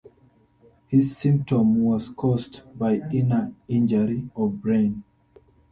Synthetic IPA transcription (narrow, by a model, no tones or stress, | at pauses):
hizːĩmp̚tɔ̃mwɔskʰɔstbajĩnaĩnd͡ʒəɹiɔbɹẽn